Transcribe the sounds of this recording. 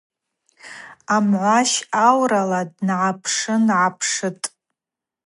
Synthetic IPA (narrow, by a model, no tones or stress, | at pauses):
amʕʷaʃawralad̚nʕapʰʂɨnʕapʰʂɨtʼ